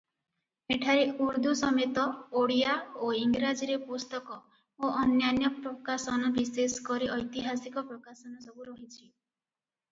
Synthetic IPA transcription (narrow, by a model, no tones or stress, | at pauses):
eʈʰaɾeuɾd̪ʱusɔmet̪ɔoɽijaoiŋɡɾad͡ʒiɾepust̪ɔkɔ | oʔɔnjanjɔpɾɔkasɔnɔbiseskɔɾiʔɔjt̪iɦasikɔpɾɔkasɔnɔsɔbuɾɔɦit͡ʃʰi